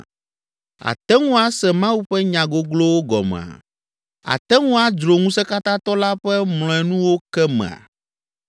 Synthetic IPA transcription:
a̰˨t̪ɛ˦ŋũ˦a˦sɛ˨mã˦wu˦ɸɛ˦ɲã˨ɡo˦ɡlo˦wo˦ɡɔ̰˨mɛ̰̃˨a̰˨ | a̰˨t̪ɛ˦ŋũ˦a˦d͡ʒɾo˨ŋũ˦sɛ˦ka˦t̪ã˦t̪ɔ˦la˦ɸɛ˦ml̃ɔ̃˨ɛ˨nũ˦wo˦kɛ˦mɛ̰̃˨a̰˨

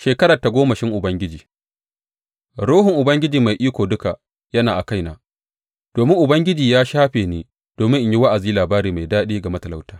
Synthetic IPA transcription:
ʃeː˨kɐ˦ɾɐ˨ta˨ɡʷoː˦mɐ˨ʃɪ˦ŋʔʊ˨bɐ˦ŋɡʲɪ˦d͡ʒiː˨ | ɽoː˦ɦʊ˨ŋʔʊ˨bɐ˦ŋɡʲɪ˦d͡ʒiː˨ma˨jʔiː˦kʷoː˨dʊ˦ka˨ | jɐ˦naː˨ʔa˨ka˦˨jna˨ | d̥oː˨mɪ˦ŋʔʊ˨bɐ˦ŋɡʲɪ˦d͡ʒiː˨jaː˦ʃaː˦ɸeː˨neː˦ | d̥oː˨mɪ˦ŋʔɪ˦ɲji˦wa˦ʔa˨ziː˦laː˨baː˦ɾiː˨ma˨jdaː˦ɗiː˦ɡa˨mɐ˦tɐ˨la˦wtaː˦

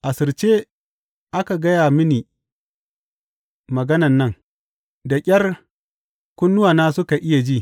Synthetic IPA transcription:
ʔa˨sɪ˨ɾt͡ʃeː˦ | ʔa˦ka˨ɡɐ˦jaː˨mɪ˦niː˨ | mɐ˨ɡɐ˦nɐ˨nːɐ˦ŋ | da˨kʲʼɐ˦r | kʷʊ˦nːʊ˦waː˨naː˦sʊ˦ka˨ʔɪ˦ja˨d͡ʒi˦

